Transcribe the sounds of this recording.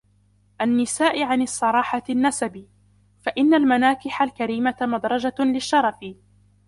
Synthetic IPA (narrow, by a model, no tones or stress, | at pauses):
ʔanːɪsaːʔɪʕanɑsˤːɑɾˤɑːħanːasabiː | faʔɪnːalmanaːkɪħalkaɾiːmamɑd̪ɾˤɑd͡ʒalɪʃːɑɾˤɑfɪ